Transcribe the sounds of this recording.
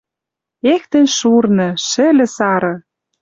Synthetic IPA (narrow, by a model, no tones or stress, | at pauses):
ext̪ĕnʃurnɤ̆ʃɘ̆lʲɘ̆sɑɾɤ̆